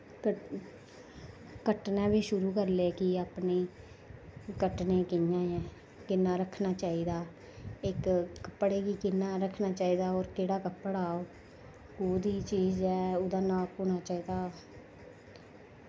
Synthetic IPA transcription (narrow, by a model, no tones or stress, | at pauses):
kə | kəʈnãːʋiːʃʊɾuːkəɾleːkɪaːpneː | kəʈneːkɪjãːɛ̃ː | kɪnːaːɾəkʰnaːt͡ʃaːiːd̪aː | ɪkkːəpːɽeːɡiːkɪnːaːɾəkʰnaːt͡ʃaːiːd̪aːɔːɾkeːɽaːkəpːɽaːoː | kuːd̪iːt͡ʃiːd͡ʒɛːʊd̪aːnãːpuːnaːt͡ʃaːiːd̪aː